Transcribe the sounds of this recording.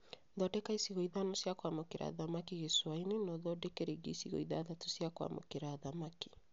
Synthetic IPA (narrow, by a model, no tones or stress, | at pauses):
ðɔdɛkaisiɣɔiðanɔsjakwamokeɾʔa̰ðamakiɣeswainenɔðɔdɛkɛɾeɡḛisiɣɔ̰iðaːðatusjakwa̰mo̰keɾaðamaki̥